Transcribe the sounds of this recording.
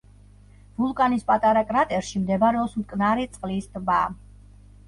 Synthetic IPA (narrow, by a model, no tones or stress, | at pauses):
vulˠkʼanispʼat̪ʼaɾakʼɾat̪ʼɛɾʃimd̪ɛbɾɛɔpsmkʼnaɾɛt̪sʼqʼlisd̪ba